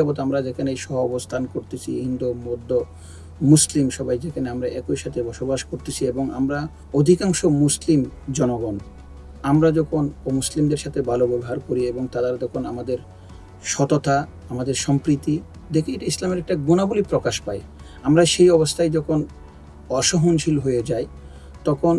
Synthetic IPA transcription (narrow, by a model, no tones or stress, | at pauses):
abot̪amɾad͡ʑekʰanejʃɔɦoɔbost̪ʰankoɾt̪et͡ɕʰḭɦind̪umod̪ʱːo | muslimʃɔbajd͡ʑekʰaneamɾaʔɛkojʃat̪ʰebɔʃobaʃkoɾt̪et͡ɕʰieboŋa̰mɾa | od̪ʱikaŋʃomuslimd͡ʑɔnoɡɔn | amɾad͡ʑɔkʰonomuslimd̪eɾʃat̪ʰebʱalobɛboɦaɾkoɾieboŋt̪ad̪aɾd͡ʑɔkʰonamad̪eɾ | ʃɔt̪ot̪a | amad̪eɾʃɔmpɾit̪i | d̪ekʰeejʈaislameɾɛk̚ʈaɡonabolipɾokaʃpaj | amɾaʃejɔβost̪ʰajd͡ʑɔkʰon | ɔʃoɦonʃʰilɦojed͡ʑaj | t̪ɔkʰon